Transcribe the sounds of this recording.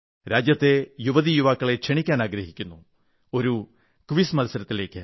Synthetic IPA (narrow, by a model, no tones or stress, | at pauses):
ɾaːd͡ʑjɐt̪ːe̞juʋɐðijuʋaːkːɐɭe̞kʂeɳikʲːaːnaːɡɾɐɦikʲːunːu | o̞ɾu | kʋismɐlɐsɐɾɐt̪ːile̞ːkʲːɨ